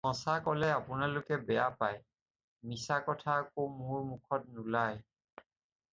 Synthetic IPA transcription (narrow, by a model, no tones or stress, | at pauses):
mɔ̃sakɔlɛapʊnalʊkɛbɛjapaj | misakɔtʰaːkomʊɹmukʰɔt̚nulaj